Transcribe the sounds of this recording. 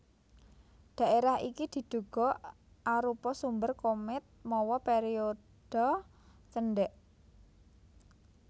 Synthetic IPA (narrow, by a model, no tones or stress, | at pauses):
d̪̥a̤ʔeɾahḭkid̪̥i̤d̪̥ṳɡ̥ɔ̤ʔ | aɾupɔsumbərkomɪt̪̚mɔwɔpeɾio | d̥ɔ | t͡ʃənɖɛʔ